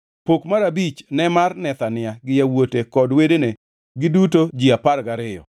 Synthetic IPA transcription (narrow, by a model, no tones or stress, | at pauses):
pokmaɾabit͡ʃnɛmarnɛt̪anɪaɡɪjawotekɔdwedene | ɡɪdutod͡ʒiaparɡaɾɪjɔ̰